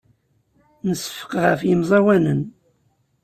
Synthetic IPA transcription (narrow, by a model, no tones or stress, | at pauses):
nəsə̥fə̥qʁəfjimzˤɑwænən